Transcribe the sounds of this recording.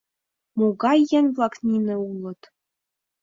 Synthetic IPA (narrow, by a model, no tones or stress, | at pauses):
moɡɑjːɘ̆nʲvlˠɑknʲinɘ̆ulˠɤ̆t̪